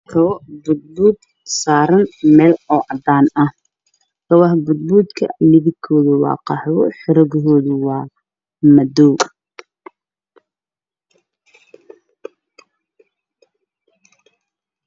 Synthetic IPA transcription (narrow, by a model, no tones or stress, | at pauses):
kʰɐwɔbʊd̪̚buːd̪ | saːɾɐnmɛːlɔːʔɐd̪aːnɐh | kʰɐwɑɦbʊd̪̚buːd̪kʰɐ̰mɪðɪkʰːɔːðʊwɑ̰ːqɑħwɔħɪɾɐɣɦɔːðʊwɑː | mɐd̪ɔw